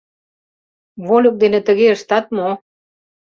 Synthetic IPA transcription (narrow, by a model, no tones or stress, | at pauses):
βolʲok̚d̪enĕt̪ə̆ɣeəʃt̪ɑt̪̚mo